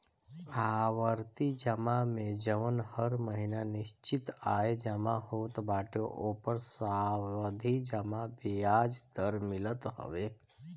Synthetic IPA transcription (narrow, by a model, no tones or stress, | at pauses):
aʋəɾt̪id͡ʒəmamẽd͡ʒəʋənhəɾməɦinanɪʃt͡ʃit̪aːed͡ʒəmaɦoːt̪baːʈjoʔopəɾsaʋəd̪ʱid͡ʒəmabiad͡ʒd̪əɾmɪlət̪ɦə̰ʋe